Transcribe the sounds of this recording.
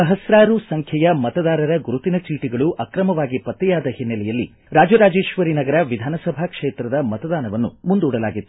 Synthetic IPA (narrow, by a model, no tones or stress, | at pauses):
ɐɦɐsɾaːɾusɐŋkʰjɐjɐmɐt̪ɐd̪aːɾɐɾɐɡuɾut̪inɐt͡ʃiːʈiɡɐɭuʔɐkɾɐmɐʋaːɡipɐt̪ːɛjaːd̪ɐhinːɐlɛjɐlːḭ | ɾaːd͡ʒɐɾaːd͡ʒe̞ːʃʋɐɾinɐɡɐɾɐʋid̪ʱaːnɐsɐbʱaːkʂeːt̪ɾɐd̪ɐmɐt̪ɐd̪aːnɐʋɐnːṵmund̪uːɽɐla̰ːɡit̪ːu